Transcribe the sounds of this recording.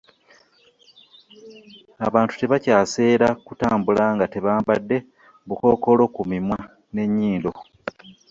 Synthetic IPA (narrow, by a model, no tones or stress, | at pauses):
aβaːntu̥te̞βacaːse̞ːɾakutaːmbulaŋɡate̞βaːmbadːe̞ | buko̞ːko̞lo̞kumimwa | ne̞ɲːiːndo̞̰